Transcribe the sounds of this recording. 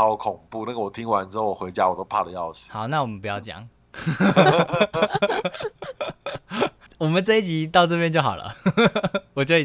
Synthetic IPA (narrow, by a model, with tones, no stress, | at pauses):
a˧˥ʊ˧kʰʊ˨˩ŋpu˥˨na˥ɡə˨wɔ˨˩t̪ʰi˦˥ŋwa˧˦nʈ͡ʂɻ̩˥ho˥˩wɔ˨˩xwe˨˧˦ɪt͡ɕja˦wɔ˨˩t̪o˥ʊpʰa̰˥˧˩d̪ə˩jɑ˥˨˩ʊsi̥˨˦hɑ˨˦ʊna˥˩wɔ˨˩mə̃˦npu˧˦jɑ˥˩ʊt͡ɕjɑ̰˨˩˦ŋ | wɔ˨˩mə˨nt͡sa˥i˥˩t͡ɕi˧˥t̪ɑ˥˧ʊt͡sɤ˥˧pjɛ˥˧nt͡ɕjxɑ˨˩lʔə̰˦ | wɔ˨˩t͡ɕjo˥˧